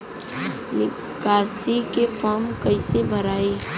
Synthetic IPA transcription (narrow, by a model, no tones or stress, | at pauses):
nɪ | kaːsikefɔːɾmkɐɪsebʱɐɾaːeː